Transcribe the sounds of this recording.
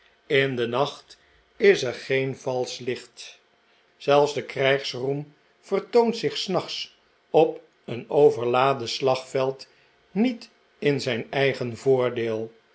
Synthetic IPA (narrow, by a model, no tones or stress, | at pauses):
ɪndənɑχt | ɪsəɹχejnvɑlˠslɪχt | z̥ɛlˠfzdəkrɛjχsrum | fərtowntsɪχsnɑχs | ɔp | ənowvəɹlaːdəslɑχfɛlˠt | nit | ɪnzɛjnɛjχənvʊːɹdeːlˠ